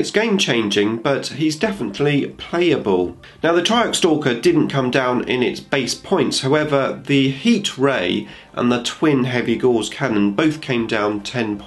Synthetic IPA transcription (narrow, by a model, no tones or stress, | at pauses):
ɨtsɡ̥ẽɪ̃mt͡ʃʰẽɪ̃nd͡ʒɪ̃ŋb̥ʌthizdɛfənəʔˡlipʰl̥eɪəbəlˠ | naʊðətʰɹ̥aɪəkstɔˑkədɪdⁿn̩kʰʌ̃mdãʊ̃nɪ̰̃nɪtsb̥eɪspʰɔ̃ɪ̃ntshaʊɛvəðəhiˑtɹeɪ | ʔə̰̃nðətʰw̥ɪ̃nɦɛviɡɔːlˠz̥kʰanə̃nbəʊθkʰẽɪ̃mdãʊ̃ntʰɛ̃npʰ